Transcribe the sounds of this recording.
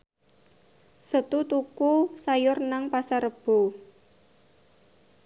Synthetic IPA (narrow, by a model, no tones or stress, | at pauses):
sət̪ut̪ukusajʊrnaŋpasaɾəb̥o